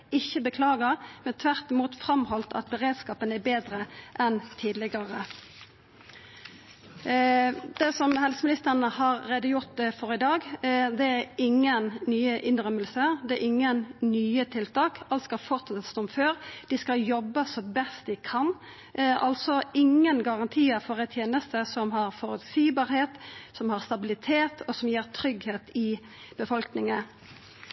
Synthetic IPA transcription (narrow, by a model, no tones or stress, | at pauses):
ɪçːəbəkʰlɑːɡəʁmɛnt̪ʰʋæʁt̪ɪmuːt̪fɾɑmhɔlt̪ʰɑ̰t̪̚bəʁeːd̪skɑːpənæbeːd̪ʁəʔɛnt̪ʰiːd̪lɪɡəʁə | d̪̥ɛsɔmhɛlsəmɪnɪst̪əʁənəhɑɾɾeːd̪əjʊʁt̪̚fɔʁɪd̪ɑːɡd̪ɛæɾɪŋːənnyːəʔɪnʁœməlsəd̪ɛæʔɪŋːənnyːət̪ʰɪlt̪ʰɑːkɑlt̪skɑlfɔʁt̪sɛt̪st̪ɔmføːɾd̪̥ɪskɑljɔbːəsɔbɛst̪d̪ɪkʰɑn | ʔɑ̰lsɔɪŋːənɡɑʁɑnt̪ʰiːəfɔʁɛt̪ʰjeːnəst̪əsɔmhɑʁfɔʁʉt̪siːbɑːʁheːt̪sɔmhɑʁst̪ɑbɪlɪt̪ʰeːt̪ʰɔsɔmjeːʁt̪ʰɾʏɡheːt̪ɪ | b̥əfɔlknɪŋə